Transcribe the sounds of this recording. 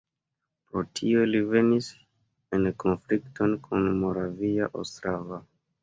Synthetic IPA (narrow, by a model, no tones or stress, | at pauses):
pɾo̞tʰiolive̞nis | enko̞nflikto̞nkʰunmo̞ɾavia̰ʔo̰stɾava